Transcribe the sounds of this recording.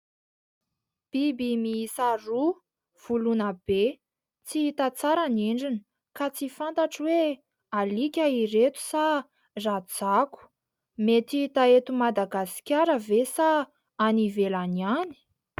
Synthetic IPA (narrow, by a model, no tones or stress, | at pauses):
b̥ibimiisaru | v̥ulunəb̥e | t͡siit̪at͡saɾaniɳɖ͡ʐinə | kat͡sifant̪aʈ͡ʂwe | alikʲaiɾet̪u̥sa | rat͡saku̥ | met̪it̪aet̪umad̪aɡasi̥kʲaɾəvesaː | nivelaniani̥